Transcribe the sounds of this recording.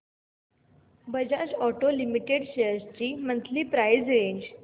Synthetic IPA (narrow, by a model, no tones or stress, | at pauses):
bəd͡ʑad͡ʑɔʈolimiʈeɽɕeəɾst͡ɕiːmənt̪liːpɾajd͡zɾeɲd͡ʑ